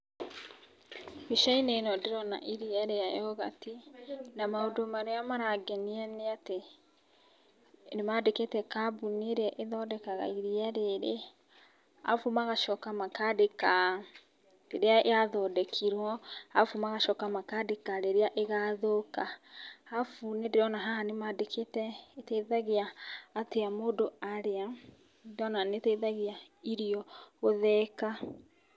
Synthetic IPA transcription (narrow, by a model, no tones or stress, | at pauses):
miʃainenɔdeɾɔna̰ʔiɾiɛɾeajɔɣa̰tinamaodomaɾeamaɾaɡɛniɛneate | nemadeketɛkabuneɾɛʔeðɔdɛkaɣa̰iɾiɛɾeɾe | a̰fumaɣaʃɔkamakadeka | deɾeaeaðɔdɛkʰiɾwɔafumaɣaʃɔːkamakadekaɾeɾeaʔeɣaðokaafunedeɾɔnaɦahanemadekʰetɛetɛðaɣeaːteamodoaɾea | dɔnanetɛðaɣea | iɾiɔɣoðɛka